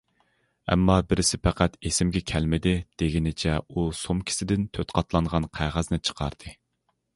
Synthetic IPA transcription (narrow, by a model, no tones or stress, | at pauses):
ɛ̰mːɑbɪɾɪsɪpʰæqæt̪esɪmɡʲɛkʲʰɛlmɪd̪ɪd̪̥eɡʲinɪt͡ʃʰɛusomkʲʰɪ̥sɪd̪ɪnt̪ʰøt̪qʰɑt̪ʰlˠɑɴʁɑnqʰæʁæznɪt͡ʃʰə̥qʰɑ̰ɾd̪̥ɨ